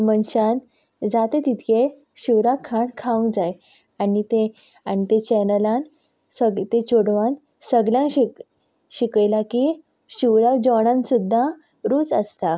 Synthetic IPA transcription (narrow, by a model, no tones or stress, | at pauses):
mənɕan | d͡zat̪et̪it̪ʰke | ɕiwɾakʰaɳkʰãw̃d͡zaj | anit̪e | aɽ̃it̪et͡ɕɛnəlãn | səɡt̪et͡ɕoɽʋãn | səɡljãɕik | ɕikəjlaki | ɕiwɾad͡ʑɔɳ̃ãnsud̪ʱːa | ɾuːt͡səst̪a